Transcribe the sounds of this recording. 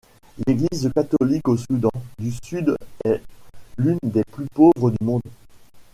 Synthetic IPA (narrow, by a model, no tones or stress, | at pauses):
leɡlizkat̪ɔlikosud̪ɑ̃d̪ysyd̪ɛlynd̪eplypovʁəd̪ymɔ̃d̪